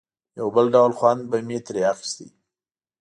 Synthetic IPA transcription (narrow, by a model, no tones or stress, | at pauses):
jawbəlɖawlxwand̪̚bamet̪ɾeaxi̥st̪ḭ